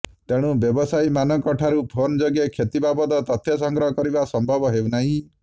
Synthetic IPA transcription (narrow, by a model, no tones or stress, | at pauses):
t̪eɽ̃ubjɔbɔsajmanɔkɔʈʰaɾupʰond͡ʒoɡjekʰet̪ibabɔt̪ɔt̪ɔt̪ʰjɔs̬ɔŋɡɾɔɦɔkɔɾibasɔmbʱɔbɔɦewnaɦĩ